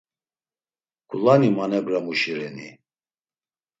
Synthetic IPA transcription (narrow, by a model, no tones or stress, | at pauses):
kʰʼulanimanɛbɾamuʃiɾɛni